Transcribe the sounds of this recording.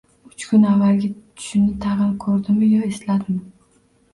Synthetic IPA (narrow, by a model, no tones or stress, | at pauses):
ʊt͡ʃkʰʲʊnavːalɡʲat̪ʰʊ̥ʃɪnɪt̪ʰɑʁɨnkʰɵɾd̪ɪmɪjɒeslad̪ɪmɪ